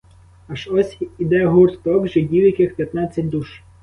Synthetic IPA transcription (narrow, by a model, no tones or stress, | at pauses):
ɐʃɔsʲid̪ɛɦurt̪t̪ɔɡʒɪdʲiwjɐkɪxpʲjɐt̪nɑt͡sʲːɐtʲd̪uʃ